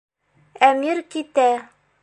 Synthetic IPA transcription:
æmiɾkit̪æ

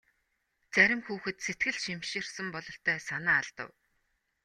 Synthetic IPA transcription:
t͡sæɾʲɪ̆mxuːxɘ̆t̪set̪̚ɡɘ̆ɮʃimʃĭrsə̆mpɔɮɞ̆ɬt̪ʰœːsanaːɮt̪ə̰̆w

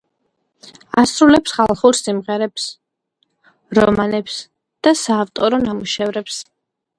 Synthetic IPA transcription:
asɾulɛpsχalˠχuɾsimʁɛɾɛps | ɾɔmanɛps | d̪̥asaːft̪ʼɔɾɔnamuʃɛvɾɛps

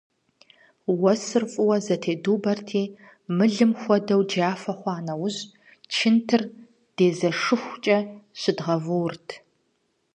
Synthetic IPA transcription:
wɐsɨrfʼʊwɐzɐtʰeːduːbɐrtʰiː | mɨɮɨmxʷɔdɐwd͡ʒaːfɐχʷɑːnɐwʊʑ | t͡ʃʰɪntʰɨr | d̥eːzɐʂɨxʷt͡ʃʼɐɕɪdʁɐvuwrtʰ

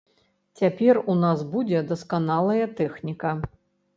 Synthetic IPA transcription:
t͡sʲapʲɛrunasbud͡zʲɛd̪ɐskanalˠɐjɐt̪ɛxnʲikɐ

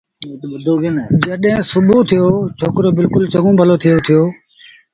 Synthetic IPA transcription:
d̪ʱoɡnd͡ʒəɗɦẽːsʊbʱuːt̪ʰɪjoːt͡ʃʰoːkɾoːbɪlkʊlt͡ʃəɡũːbʱəloːt̪ʰɪjoːt̪ʰɪjoː

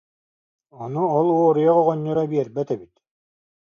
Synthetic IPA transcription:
ɔnuɔlˠuɔɾujɔʁɔʁɔɲːɔɾabiɛɾbɛt̪ɛbit̪

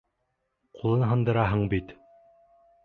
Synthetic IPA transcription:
qʰulˠɤnɦɤ̆nd̪ɤ̆ɾɑɦɤɴbit̪

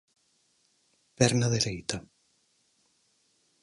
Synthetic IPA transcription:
pɛɾnaðeɾejt̪a

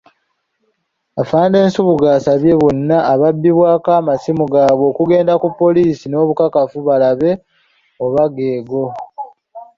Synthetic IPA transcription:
afaːnde̞ːnsuβuɡaːsaβje̞βonːaʔːβabːiβwaːkaːmasimuɡaːβo̞ːkuɡe̞ːndakupːo̞liːsino̞ːβukakafuβalaβe̞ | oβaɡe̞ːɡo̞

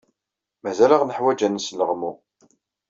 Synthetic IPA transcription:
mæzæləʁnəħwæd͡ʒænsləʁmu

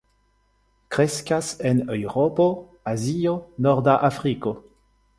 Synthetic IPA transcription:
kɾeskasenewʁopo | azionoʁdaʔafʁiko

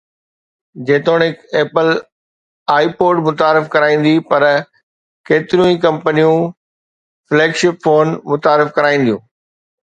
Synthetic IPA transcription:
d͡ʑeːt̪oːɽ̃ɦɪkeːpəl | aːipoːɖmʊt̪aːɾɪfkɐɾaːĩːn̆d̪ipɐɾ | keːt̪ɪɾijũĩkɐ̃mpənijũ | fleːkʃɪpfoːnmʊt̪aːɾɪfkɐɾaːĩːn̆d̪ijũː

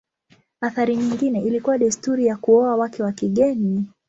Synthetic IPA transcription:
aθaɾiɲiŋɡinɛʔilikuwaɗɛstuɾijakuɔawakɛwakiɠɛni

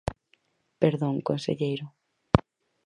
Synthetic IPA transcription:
peɾðõŋkonsḛʎejɾʊ

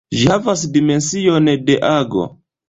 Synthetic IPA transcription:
ʒiavas̬dimɛnsiɔnɛdɛʔaɡɔ̰

